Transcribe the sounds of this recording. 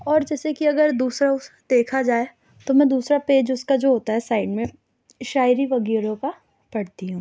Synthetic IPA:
ɔːɾd͡ʒɛːsekiɐɡəɾd̪uːsɾaʊsd̪eːkʰad͡ʒaːe | t̪omɛ̃ːd̪uːsɾapeːd͡ʒʊskad͡ʒoːɦoːt̪aɦɛsaːɪɖmẽ | ʃaːɪɾiʋɐɡiːɾõka | pɐɽt̪iɦũː

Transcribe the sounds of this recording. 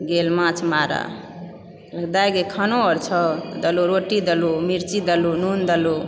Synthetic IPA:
ɡelmãt͡ʃʰmaɾa̰ | ləɡd̪ajɡekʰanoʌɾt͡ʃʰʌd̪əloɾoʈid̪əlumiɾt͡ʃid̪əlunund̪əlo

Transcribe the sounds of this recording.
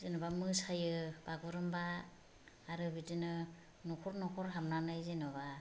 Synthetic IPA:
zinɔbamɯsajɯbaɡɯɾɯmbaː | ɾɯbitinɯ | nɔkʰɔɾnɔkʰɔɾɦamnanajzinɔβa

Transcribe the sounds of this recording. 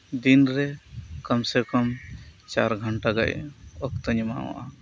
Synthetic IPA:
d̪inɾɛkɔmsɛkɔmt͡ʃaɾɡʱɔɳʈaɡa̰ʔɔkt̪ɔɲɔma̰wa̰ʔa

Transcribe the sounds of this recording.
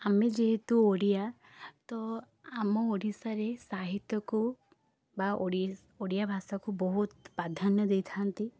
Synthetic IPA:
amẽd͡ʒeɦet̪uoɽija | t̪ɔ | amɔoɽisaɾesaɦit̪jɔku | baoɽi | oɽijabʱaːsakubɔɦut̪pad̪ʱanəd̪et̪ʰaant̪i

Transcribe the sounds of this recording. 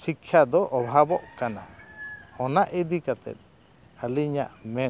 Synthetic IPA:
sikʰjad̪ɔʔɔbʱabɔʔkanahɔnaʔid̪ikat̪ɛ̰t̪̚ˀ | əliɲa̰ʔmɛ

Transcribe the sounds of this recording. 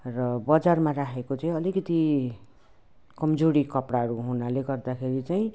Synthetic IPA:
rʌbʌd͡zarmaɾakʰekot͡saĩʌlikʌt̪i | kʌmd͡zoɽikʌpɽaɦʌɾuɦunaleɡʌrd̪akʰeɾit͡saĩ

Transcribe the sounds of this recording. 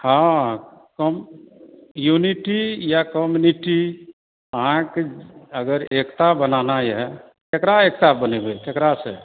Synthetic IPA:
hãkɔm | juniʈijakɔmjuniʈi | əɦãkeəɡəɾekt̪abənanajɛ | kekɾaek̚t̪abənebekekɾasẽ

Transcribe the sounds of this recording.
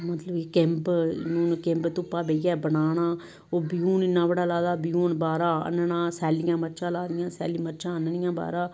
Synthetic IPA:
mət̪ləbeːkɛ̃mpnũːnkẽːmpt̪ʊpːaːbeːɪjaːbənaːnaː | oːbɪjuːnɪnːãːbəɽaːlaːd̪aːbɪjuːnbaːɾãːə̰nɳãːsɛːlɪjãːməʃãːlaːd̪ɪjãːsɛːliməɾʃʰãːənənɪjãːba̰ːɾãː

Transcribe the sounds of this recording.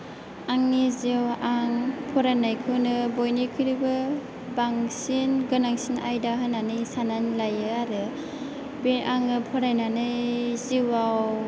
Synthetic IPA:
aŋnizewaŋpʰɔɾanajkʰɯwnɯbojnikʰɯɾibɯ | baŋsinɡɯnaŋsinajdaɦananɯjsananlajɯaɾɯ | beʔaŋɯpʰɔɾajnanɯziwaw

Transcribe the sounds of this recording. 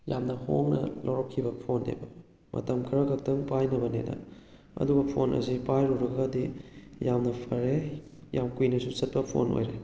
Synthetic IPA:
jamnɐhoŋnɐ̰loɾokʰːibɐpʰondḛbɐ | mɐ̰tɐmkʰɐɾɐkʰɐk̚tɐŋpajnɐbɐnedɐ̰ | ɐ̰duɡɐpʰonʔɐ̰sipajɾuɾɐɡɡɐdijamnɐpʰɐɾe | jamkujnɐsusɐt̚pɐpʰo̰nʔo̰jɾe

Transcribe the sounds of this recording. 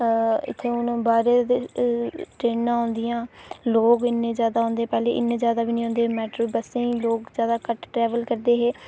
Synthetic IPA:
ɪ̰t̪ʰːeːʊñːbaːɾeːe | ʈɾeːnãːɦõːnd̪ɪjãːloːɡɪnːẽːzjaːd̪aːɦõːnd̪eːpɛːlḛːʔɪ̰nːẽːzjaːd̪aːbiːnĩːɦõːnd̪eːmɛːʈɾoːbəsẽloːkzjaːd̪aːkəʈʈɾɛːʋəlkəɾd̪eːɦeː

